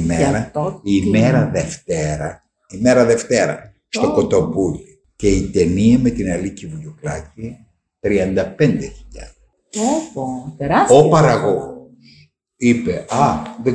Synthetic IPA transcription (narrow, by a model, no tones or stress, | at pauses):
meɾɐimmeɾɐðeft̪eɾɐ | imeɾɐðe̞ft̪e̞ɾɐ̰ | st̪okot̪o̞puli | ce̞it̪e̞niɐme̞t̪inɐlicivuʎuklɐci | t̪ɾiɐnd̪ɐpe̞nd̪e̞çiʎɐ̰ðe | opɐɾɐɣoɣos | ipeɐðe